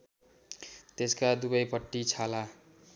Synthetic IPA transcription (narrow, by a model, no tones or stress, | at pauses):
t̪eskad̪ubʌjpʌʈːit͡sʰala